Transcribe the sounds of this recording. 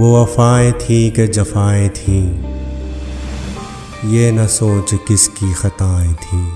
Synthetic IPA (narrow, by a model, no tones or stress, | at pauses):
ʋoʋɐfaːẽt̪ʰĩːked͡ʒɐfaːẽt̪ʰĩː | jenɐsoːt͡ʃkɪskixɐt̪aːẽt̪ʰĩː